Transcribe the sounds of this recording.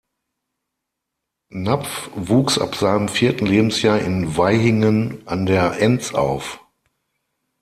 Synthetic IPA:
nap͡fvuːksa̰pz̥aɪnəmfiːɐtn̩leːbm̩sjaːɐɪnvaɪɦɪŋənʔandeːɐʔɛnt͡sa̰ʊf

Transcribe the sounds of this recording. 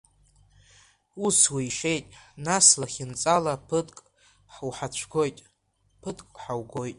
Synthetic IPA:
uswiiʃe̞jtʼnaslaχʲɪnt͡sʼalapʰɨtʼkʼ | ħwħat͡ɕʷʰɡo̞jtʼ | pʰɨdʼkʼħawɡo̞jtʼ

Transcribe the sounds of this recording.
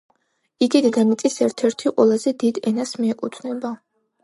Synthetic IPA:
iɡid̪ɡ̪anit̪sʼisɛɾt̪ʰɛɾt̪ʰiqʼwɛ̰lˠazɛd̪id̪ɛnasmiɛkʼut̪ʰnɛba

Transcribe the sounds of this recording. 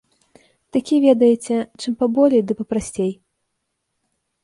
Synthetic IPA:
t̪akʲivʲɛd̪ɐjɛt͡sʲɛt͡ʂɨmpabɔlʲejd̪ɨpɐpɾasʲt͡sʲej

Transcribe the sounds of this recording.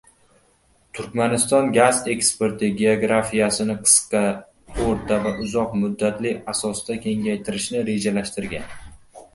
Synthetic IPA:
t̪ʰʊɾkʲmanɪst̪ɒnɡʲaze̞kspe̞ɾt̪ʰɪɡʲe̞oɡɾafijasɪnɪqʰɨ̥sqɑ | oɾt̪ʰavaʔʊzɒqmʊd̪ːat̪lɪasɒsd̪akʲʰe̞ŋɡʲajt̪ʰɪɾɪʃnɪɾe̞d͡ʒalaʃt̪ɪɾɡʲan

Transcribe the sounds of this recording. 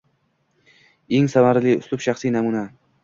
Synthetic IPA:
e̞ŋsamaɾlɪʊ̰slˠʊpʃaχsinamuna

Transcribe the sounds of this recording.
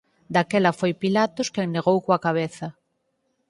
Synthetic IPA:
d̪akɛlɐfojpilat̪ʊskeŋneɣ̞owkwakaβ̞eθɐ

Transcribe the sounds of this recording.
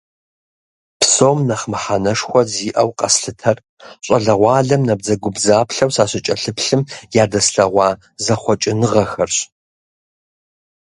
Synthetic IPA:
psoːmnɐχmɨħanɐʂxʷɔziːʔɐwqʼɐ̰sɬɨtʰɐr | ɕʷʼɐɮɐʁʷɑːɮɐmnɐb̚zɐɡʷʊbzaːpɬɐwsaːɕɪt͡ʃʼɐɬɨpɬɨmjaːdɐsɬɐʁʷɑː | zɐχʷɔt͡ʃʼɪnɨʁɐxɐrɕ

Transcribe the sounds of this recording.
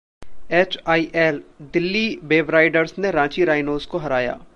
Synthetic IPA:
eːt͡ʃaːiʔɛːld̪ɪlːibeːʋɾaːɪɖəɾsneɾãːt͡ʃiɾaːɪnoːzkoɦɐɾaːja̰ː

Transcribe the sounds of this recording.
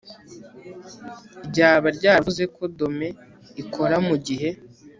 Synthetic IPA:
iɾɟaːβaɾɟaːvuze̞kʰo̞do̞me̞ | ikʰo̞ɾamuɟiɦe̞

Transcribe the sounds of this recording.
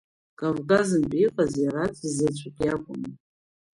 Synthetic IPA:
kʼavkʼazɨmpʼiqʼazjaɾat͡sʰʼizat͡ʃʷʰakʲʼakʷʼʊmɨ

